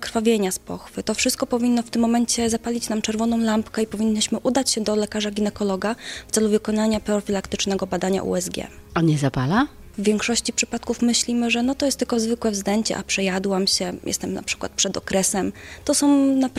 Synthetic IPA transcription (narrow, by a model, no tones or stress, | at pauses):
kɾfavʲjeɲaspɔ̰xfɘt̪ɔfʂɘst̪̚kɔpɔvʲinːɔft̪ɘmːɔmɛɲt͡ɕɛzapalʲit͡ɕnamt͡ʂɛɾvɔnɔ̃w̃lampkɛipɔvʲiɲːiɕmɘʔud̪at͡ɕɕɛd̪ɔlɛkaʐaɡʲinɛkɔlɔɡafsɛluvɘkɔnaɲapɾɔfʲilakt̪ɘt͡ʂnɛɡɔbad̪aɲa̰ʔṵɛzɡʲjɛ̰aɲɛzapala | vːʲjɛŋkʂɔɕt͡ɕipʂɘpat̪kufmɘɕlʲimɘʐɛnɔt̪ɔjɛst̪ːɘlkɔzvɘkwɛvzd̪ɛɲt͡ɕɛ̰ʔa̰pʂɛjad̪wamɕɛjɛ̰st̪ɛmnʔa̰pʂɘ̥kwa̰t̪̚pʂɛd̪ɔ̰kɾɛsɛmt̪ɔsɔ̃w̃nap